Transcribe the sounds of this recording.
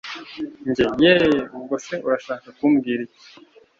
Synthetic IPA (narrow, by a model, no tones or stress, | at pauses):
ɲɟejeɡoseʔuɾaʃaːkakumɡiːɾic